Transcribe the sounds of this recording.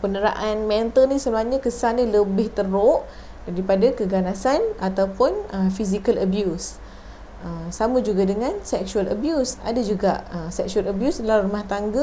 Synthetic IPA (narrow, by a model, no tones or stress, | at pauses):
pənəɾa̰ʔanmɛnt̪əlnisəlaɲəkəsaniləbɪht̪əɾoʔ | daɾipadakəɡanasanat̪awpʊnəfizikaləbjus | əmsaməd͡ʒuɡadəŋansɛk̚ʃualə̰bjusa̰dad͡ʒuɡa̰ʔəsɛk̚ʃualəbjusdəlarumaht̪aŋɡə